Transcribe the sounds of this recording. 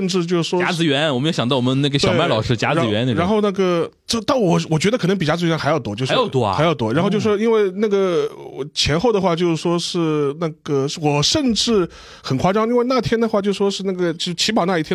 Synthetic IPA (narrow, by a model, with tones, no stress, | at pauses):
ə˥˧nʈ͡ʂɻ̩˥˧t͡ɕjo˥˧ʊʂ̩˥˩ʂwɔ˥a˥t͡sɹ̩˧˥ɥɛ˧˥nwɔ˨mə˦˥jɕɑ˨ŋt̪ɑ˥˩wɔ˨˩mə˦nne˥˩ɡə˩ɕeɑ˨˩˦ma˥˩ɪlɑ˨˩ʊʂɻ̩˥˩t͡ɕja̰˥t͡s̩˥ɥɛ˧˥ne˥˩ɻa˧˥nxo˥˧ʊna˥˩ɡə˩ | ʈ͡ʂə˥˩t̪a˥˩wɔ˨˩wɔ˨˩t͡ɕɥɛ˧˥d̪ə˧kʰɤ˨˩n˧˥ŋpi˨˩t͡ɕja˥t͡sɹ̩˧˥ɥɛ˧˥nxa˧˥jɑ˥˩ʊt̪ɔ˥t͡ɕjo˥˧ʊ˧˥jt̪wɔ̰˥˧a˧˥ɪjɑ˥˩ʊt̪wɔ̰˥ɻa˧˥xo˥˧t͡ɕo˥˧˩ʂʂwɔ˥i˥nwe˥˧ɪna˥˩ɡə˩˨˩t͡ɕʰjɛ˧˥nxo˥˧ʊd̪ə˩xwa˥˧t͡ɕjo˥˧ʊʂ̩˩ʂwɔ˥ʂɻ̩˥˧na˥˩ɡ̥ə˩ʂwɔ˨˩ʂə˥˧nʈ͡ʂɻ̩˥˩ | xə˨˩nkʰwa˥ʈ͡ʂɑ˥˧ŋi˥nwe˥˧ɪna˥˩t̪ʰjɛ˥nd̪ə˨˧xwa˥˧t͡ɕo˥˧ʊʂ̩˩ʂwɔ˥ʂɻ̩˥˧na˥˩ɡə˩t͡ɕt͡ɕʰi˧˥p̬ɑ˨˩na˧i˥t̪ʰjɛ˥